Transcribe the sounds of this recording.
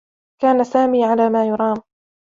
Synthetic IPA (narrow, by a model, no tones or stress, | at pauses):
kaːnasaːmiːʕalaːmaːjʊɾˤɑːm